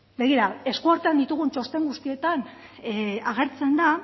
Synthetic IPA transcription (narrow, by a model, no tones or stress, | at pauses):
be̞ɣ̞iɾae̞skuaɾt̪eand̪it̪uɣ̞unt͡ʃo̞st̪e̞ŋɡust̪ie̞t̪an | aɣ̞e̞ɾt͡se̞nd̪a